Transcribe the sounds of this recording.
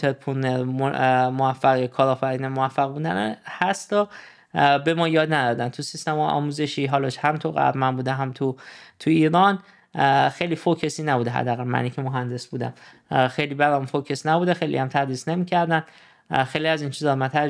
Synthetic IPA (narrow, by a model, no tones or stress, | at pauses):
t̪ʰeɾpʰuneɾ | moæfːæɣjekʰɒːɾɒːfæɾiːnemoæfːæɣbuːd̪ænhæst̪ɒ | be̞mɒːjɒːd̪næd̪ɒd̪ænt̪ʰusist̪emhɒːjʔɒ̰ːmuːzeʃiːɦɒːlɒʃhæmt̪ʰuɣæ̰ɾmænbuːd̪eɦæmt̪ʰut̪ʰuiːɾɒːn | xejlifocʰe̞siːnæbuːd̪eɦæ̰d̪ːæːɣælmæ̰niːcʰemoɦænd̪e̞sbuːd̪æ̰m | xe̞jliːbæɾæmfokʰesnæbuːd̪exejlḭhæmt̪ʰæd̪ɾiːsne̞miːcʰæɾd̪æn | xejliæziːnt͡ʃʰiːzɒɾmænt̪ʰæ